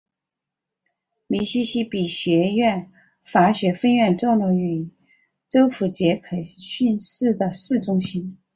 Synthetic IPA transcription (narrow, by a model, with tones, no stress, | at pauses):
mi˧˥ɕi˥ɕi˥pi˨˩ɕɥɛ˧˥ɥɛ˥˩n | fa˧˥ɕɥɛ˧˥fə˥nɥɛ˥˧nʈ͡ʂo˥˧ʊlu˧˥ŋy˨˩ | ʈ͡ʂo˥ʊfu˧˥t͡ɕjɛ˧˥kʰɤ˨˩ɕy˥˧nʂɻ̩˥˩d̪ə˩ʂɻ̩˥˩ʈ͡ʂʊ˥ŋɕi˥n